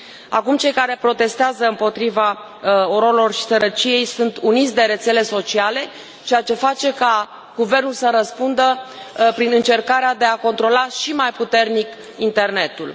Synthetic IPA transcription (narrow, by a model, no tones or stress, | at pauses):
a̰kumt͡ʃe̞jkaɾe̞pɾo̞t̪e̞st̪eazəɨmpo̞t̪ɾiva | oɾoelo̞rʃi̥səɾət͡ʃije̞jsunt̪unit̪sʲd̪e̞ɾe̞t̪se̞le̞so̞t͡ʃiale̞ | t͡ʃejat͡ʃe̞fat͡ʃe̞ka | ɡ̥uve̞rnulsəɾəspund̪əpɾinɨnt͡ʃe̞rkaɾead̪e̞ako̞nt̪ɾo̞laʃimajput̪e̞rnik | int̪e̞rne̞t̪ul